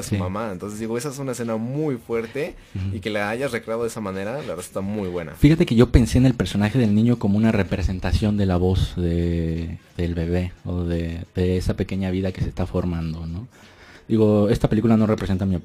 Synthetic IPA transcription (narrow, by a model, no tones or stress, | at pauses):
sumamaent̪o̞nsezd̪iɣo̞e̞saesunaes̬e̞namujfwe̞ɾt̪e̞ | ike̞laaʝazrekɾeaðoðesamane̞ɾalaβesu̥t̪amujβwe̞na̰fixat̪e̞ke̞ʝo̞pe̞nse̞ːnelpe̞ɾso̞naxe̞ðe̞lnĩɲo̞ko̞moũnare̞pɾe̞se̞nt̪asjo̞nd̪e̞laβo̞zðe̞ | ðe̞lβe̞βe̞oðeðe̞esape̞ke̞ɲaβ̞iðake̞se̞st̪afo̞ɾmãnd̪o̞no̞ | d̪iɣo̞e̞st̪apelik̬ulano̞re̞pɾese̞nt̪ami